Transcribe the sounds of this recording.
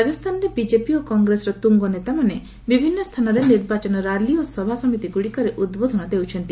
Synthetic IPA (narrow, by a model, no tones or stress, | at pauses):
ad͡ʒɔst̪ʰanɔɾebid͡ʒepiokɔŋɡɾesɔɾɔt̪uŋɡɔnet̪amane | bibʱinːɔst̪ʰanɔɾeniɾbat͡ʃɔnɔɾaliosɔbʱasɔmit̪iɡuɽikɔɾeʔud̪bod̪ʱɔnɔd̪ewt͡ʃʰɔnt̪i